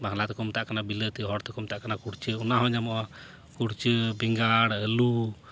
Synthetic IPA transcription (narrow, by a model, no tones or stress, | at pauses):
bʱaŋlat̪ɛkɔmt̪aʔkanabilət̪iɦɔɾt̪ɛkɔmt̪aʔkanakuɽt͡ʃəunaɦɔ̃ɲamɔʔa | kuɽt͡ʃəbiŋɡaɽəlu